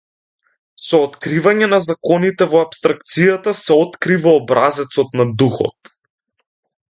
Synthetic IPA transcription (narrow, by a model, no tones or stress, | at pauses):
sɔːt̪kɾivaɲɛnazakɔnit̪ɛvɔapst̪ɾakt̪sijat̪asɛɔt̪kɾivaːbɾazɛt̪sɔt̪nad̪uxɔ̰t̪